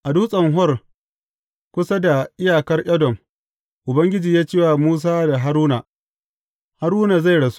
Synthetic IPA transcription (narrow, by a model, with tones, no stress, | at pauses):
ʔa˨duː˦sʼɐ˨ŋɦɔ˦r | kʷʊ˦sa˦da˨ʔɪ˦jaː˨kɐ˦rʔʲɐ˦dɔ˨m | ʔʊ˨bɐ˦ŋɡʲɪ˦d͡ʒiː˨jaː˦t͡ʃeː˦waː˨muː˦s̬aː˦da˨ɦa˦ɾuː˦na˨ | ha˦ɾuː˦na˨za˦˨jɽɐ˨su̥˦